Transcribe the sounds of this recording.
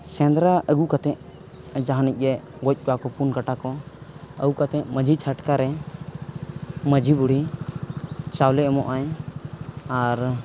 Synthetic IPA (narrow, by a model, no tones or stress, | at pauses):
sɛ̃nd̪ɾaʔəɡukat̪ɛ̃ʔ | d͡ʒaɦanic̚ˀɾɛɡɔc̚ˀkakɔpunkaʈakɔə̰ukat̪ɛ̃ʔməd͡ʒʱit͡ʃʰaʈkaɾɛ | məd͡ʒibuɽ̤i | t͡ʃawlɛʔmɔʔaj | aɾ